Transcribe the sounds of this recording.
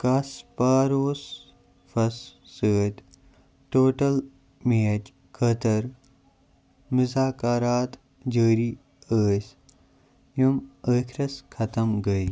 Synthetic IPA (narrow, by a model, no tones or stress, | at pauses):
kɐspaːɾoːs | fɐsːəːt̪ | ʈoːʈɐl | meːɐd͡ʒ | kʰɐt̪ɐɾ | muzaːkɐɾaːt̪ | d͡ʒəːɾiː | əːs | juməːkʰɾɐskʰɐt̪ɐmɡɐi